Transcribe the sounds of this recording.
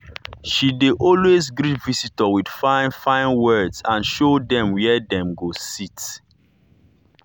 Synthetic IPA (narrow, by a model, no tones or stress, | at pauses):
ʃideʔɔlwezɡɾitvisitəwid̥fãnfãɪ̃nwɜdsãnʃodɛ̃mwɛdɛ̃mɡosit